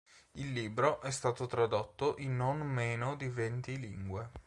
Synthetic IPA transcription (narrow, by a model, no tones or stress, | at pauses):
ilːiːbɾoʔɛst̪aːt̪ot̪ɾad̪ot̪ːoʔinːonmːeːnod̪ivent̪iliŋɡwe